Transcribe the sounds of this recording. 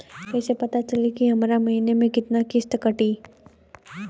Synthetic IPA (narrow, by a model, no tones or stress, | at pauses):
kɛːsepɐt̪at͡ʃɐlikiɦɐmɾamɐɦiːnemẽkɪt̪nakɪst̪əkəʈiː